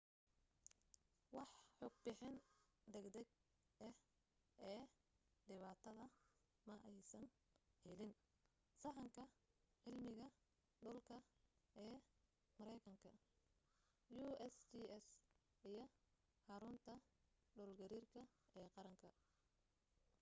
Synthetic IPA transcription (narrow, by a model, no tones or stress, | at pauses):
wɑħħɔːɡ̚bɪħɪnd̪ɛɡd̪ɛɡ̚ | ʔɛh | ɛːɖɪβaːt̪ʰɐðɐ | mɐʔɛjsɐn | hɛlɪn | sɐʕɑŋkʰɐʕɪlmɪɣɐ | ɖʊlkʰɐɛː | mɐɾɛjkʰɐŋkʰɐ | juɛsiɛs | ijɞ | ħɑɾʊnt̪ʰɐɖɔːlɡɐɾiːrkʰɐɛːqɑɾɐŋkʰɐ